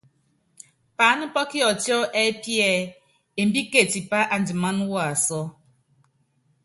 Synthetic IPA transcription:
pa˨˦nu˦pɔ˦ki˦ɔ˨tjɔ˦ʔe˦pjɛ˦˨ | e˨m̩˦bi˦ke˦˨ti˨pa˦ʔa˨n˨d͡ʒi˨ma˦nu˦wa˦˨a˨sɔ˦

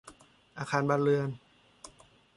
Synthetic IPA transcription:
ʔaː˧kʰaː˧nbaː˧nɾɯ˧ən

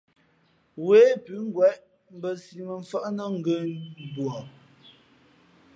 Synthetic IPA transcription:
weː˨˦pʉ˨˦ŋ̩˦ɡwɛ˦ʔ | m̩˦bə˨si˨mə˨ɱ̩˨fə˦ʔnə˦ŋ̩˦ɡə˦˨bwɔ˨

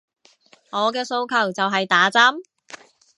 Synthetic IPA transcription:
ŋɔː˨˧k̬ɛː˧so˧wkʰɐ˨˩wt͡sɐ˨wɦɐ˨jt̪aː˨˥t͡sɐ˥m

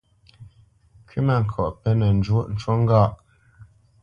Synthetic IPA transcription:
kʰi˦mɛ˨ŋ̩˨kʰɔ˨ʔpɛ˦nɛ˨n˨d͡ʒwo˦ʔn̩˨t͡ʃwo˦ŋ̩˦ɡa˦˨ʔ

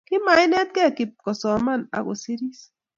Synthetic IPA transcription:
ki˦ma˨˦jnɛ˦t̪̚kɛ˦˨ki˨p̚kɔ˨sɔ˨ma˦˨na̰˨ɣo̰˨si˦ɾi˦s

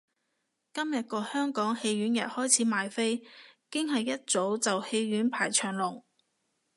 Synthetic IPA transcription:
kɐ˥mjɐ˨t̚kɔː˧hœː˥ŋkɔː˨˥ŋhe˧jɥyː˨˥njɐ˨t̚hɔː˥jt͡sʰiː˨˥maː˨jfe˥jkɪ˥ŋɦɐ˨jːɐ˥t̚t͡so˨˥wt͡sɐ˨whe˧jːyː˨˥npʰaː˨˩jt͡ʃʰœː˨˩ŋlʊ˨˩ŋ

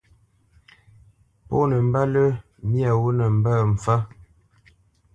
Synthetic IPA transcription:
po̰˦nə˨m̩˦ba˦lə˦ | mja˨wo˦nə˨m̩˨bə˦˨m̩˨fa˦

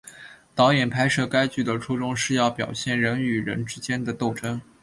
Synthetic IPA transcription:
t̪ɑ˧˥ʊjɛ˨˩npʰa˥ɪʂɤ˥˩ka˥ɪt͡ɕy˥˩d̪ə˩ʈ͡ʂʰu˥ʈ͡ʂʊ˥ŋʂɻ̩˥˧jɑ˥˩ʊpjɑ˨˩ʊɕjɛ˥˩nɻə˧˥ny˨˩ɻə̰˧˥nʈ͡ʂɻ̩˥t͡ɕjɛ˥nd̪ə˨t̪o˥˩ʊʈ͡ʂə˥ŋ

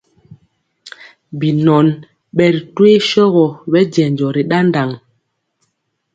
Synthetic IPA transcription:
bi˨nɔ˨n | ɓɛ˨ɾi˨twe˦ʃɔ˦ɣɔ˨ɓɛ˦d͡ʒɛ˨nd͡ʒɔ˨ɾi˨ɗa˦nda˨ŋ

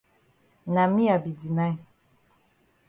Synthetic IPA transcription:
na˨mi˦a˨bi˨di˨na˦j

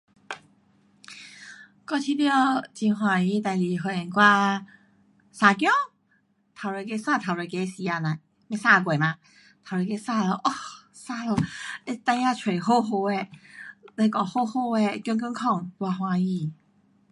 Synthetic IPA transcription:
kɔ˧t͡ɕʰi˧tjɔ˥˧t͡ɕi˧nɦwã˧i˧˦t̪a˨˩li˨˩ɦo˧˩ɛ˨˩nkwa˥˧ | sã˧k̬jɔ˦˥ŋ | t̪ʰa˨˩le˧˩k̬e˧˦sã˥˧˨t̪ʰa˨˩le˨˧˩ke˧˦si˧a˧nã˨ | me˧˦sa˥˧˨k̬we˨˩˨mã˧ | t̪ʰa˨˩le˧˩ke˧˦sa˥˧lɔ˧ʔɔ˧ | sa˥˧lɔ˧˩e˧˦t̪ã˥˧˦a˥˧t͡ɕʰwe˨˩ɦo˥˧ɦo˧e˧ | le˧kɔ˧˩ho˥˧ho˥˧e˧kjɔ˧ŋkə˧˦ŋkʰɔ˥˧˨ŋt̪wa˧ɦwã˧i˧

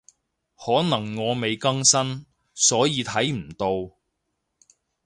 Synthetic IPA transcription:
hɔː˨˥nɐ˨˩ŋːɔː˨˧me˨˧jkɐ˥ŋsɐ˥n | sɔː˨˥jiː˨˧t̪ʰɐ˨˥jm̩˨˩t̪o˧w

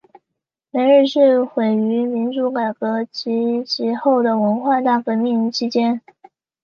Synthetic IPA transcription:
me˧˥ɪɻɻ̩˥˧ʂɻ̩˥˩xwe˨˩ɪy˧˥mi˧˥nʈ͡ʂu˧˥ka˨˩ɪkɤ˧˥t͡ɕʰi˧˥t͡ɕʰi˧˥xo˥˩ʊd̪ə˩wə˧˥nxwa˥˧t̪a˥˩fə˧˥mi˥˩ŋ˥t͡ɕʰi˥t͡ɕjɛ˥n

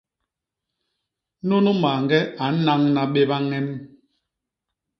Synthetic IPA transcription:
no˦nu˦maː˨ŋɡɛ˦a˨˦na˦ŋna˨ɓe˦βa˦ŋɛ˦m˦

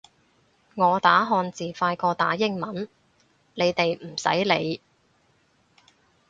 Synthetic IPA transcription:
ŋɔː˨˧t̪aː˨˥ɦɔː˧nt͡siː˨faː˧jkɔː˧t̪aː˨˥jɪ˥ŋmɐ˨˥n | le˨˧jt̪e˨jm̩˨˩sɐ̰˨˥jle˨˧j

